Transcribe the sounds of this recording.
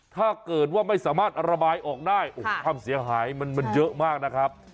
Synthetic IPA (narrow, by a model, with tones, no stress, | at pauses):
t̪ʰaː˥˩kɤː˨˩t̪̚waː˥˩ma˥˩jsaː˩˦maː˥˩t̪̚ʔa˧ɾa˧baː˧jʔɔː˨˩k̚daː˥˩jʔoː˧kʰwaː˧msi˨˩˦ɐɦaː˩˦jma˧nma˧njɤ˦˥ʔmaː˥˩k̚na˦˥kʰɾa˦˥p̚